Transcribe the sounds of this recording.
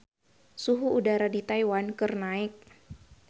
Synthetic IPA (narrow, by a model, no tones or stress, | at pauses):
suɦuudaɾadit̪ajwankərnaɪk̚